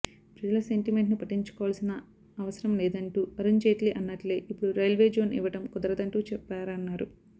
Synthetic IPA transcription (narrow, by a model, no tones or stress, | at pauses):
pɾɐd͡ʒɐlɐse̞ɳʈime̞ɳʈnupɐʈːiɲt͡ʃu̥kɔːʋaːlɐsinɐ | ɐʋɐsɐɾɐmlɛːd̪ɐɳʈuːɐɾuɲd͡ʒeːʈliʔɐnːɐʈleːʔipːuɽuɾɐjɐlʋe̞ːd͡ʒo̞ːnʔḭʋɐʈɐmkɔd̪ɐɾɐd̪ɐɳʈuːt͡ʃɛpːaːɾɐnːaːɾu